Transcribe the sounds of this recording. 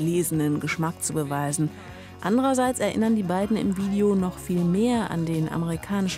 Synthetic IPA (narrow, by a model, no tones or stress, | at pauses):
leːzənənɡəʃmak̚t͡subəvaɪzn̩ | ʔandəʁɐzaɪt͡sɛɐʔɪ̰nɐndiːbaɪdn̩ɪ̰mviːdeonɔχfiːlmeːɐʔa̰ndeːnʔa̰məʁ̞ikʰaːnɪʃ